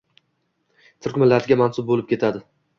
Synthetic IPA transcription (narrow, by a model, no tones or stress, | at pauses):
t̪ʰʊɾkʲmɪlːaɾɪɡʲamansʊb̚bolɪpkʲʰe̞t̪ʰad̪ɪ